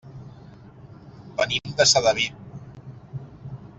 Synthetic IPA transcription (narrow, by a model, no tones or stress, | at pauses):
bənimd̪əsaðaβip̚